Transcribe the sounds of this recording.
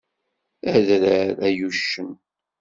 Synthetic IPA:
æðɾəɾæjuʃːəm

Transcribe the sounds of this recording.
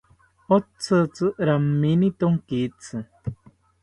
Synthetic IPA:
ot͡sət͡sɨʔɾamːinit̪oŋkit͡sɨ

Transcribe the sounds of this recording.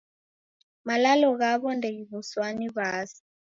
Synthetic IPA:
malalɔɣaβɔndeɣiβuswaniβaːsi̥

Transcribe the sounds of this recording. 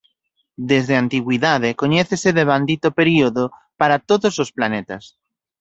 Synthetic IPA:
d̪ezðeant̪iɣwiðaðekoɲeθeseðeβ̞and̪it̪opeɾioðopaɾat̪oðososplanet̪as

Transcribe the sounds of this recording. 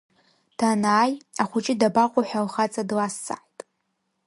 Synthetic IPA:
d̥ʰanaːjaχʷʊt͡ʃʼɪdabaqʷʼʊħʷᶣalχat͡sʼadlasːa̰ħtʼ

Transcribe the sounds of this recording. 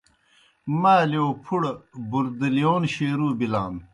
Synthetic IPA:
maːljoːpʰuɽbuɾd̪ilijoːnɕeːɾuːbilaːn

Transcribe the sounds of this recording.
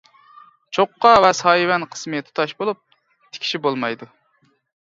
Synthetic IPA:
t͡ʃʰoqːɑvɛsɑjwɛnqʰə̥smɨt̪ʰu̥t̪ʰɑʃbolˠup̚ | t̪ʰɪ̥kʲi̥ʃibolˠmɑjd̪u

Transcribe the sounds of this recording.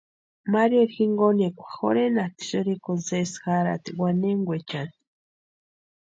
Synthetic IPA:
maɾjoɾxiŋɡonekʷaxo̰ɾenat̪i̥ʃoɾikonzesxaɾa̰t̪iɡwaneŋɡʷet͡ʃan

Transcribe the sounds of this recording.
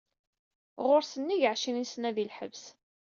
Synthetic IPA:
ʁoɾsənːiʝəʕʃinisnæðilħəvs

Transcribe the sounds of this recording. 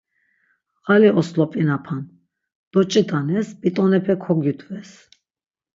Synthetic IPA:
ɣaliʔɔslɔpʼinapʰan | d̪̥ɔt͡ʃʼid̪anɛsbʼit̪ʼɔnɛpʰɛkʰɔɡjut̪ʼvɛs

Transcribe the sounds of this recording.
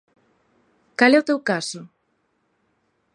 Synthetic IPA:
kalɛʊt̪ewkasʊ

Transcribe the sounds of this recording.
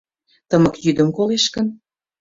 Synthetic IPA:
t̪əmɤ̆kjyd̪ə̆mkoleʃkən

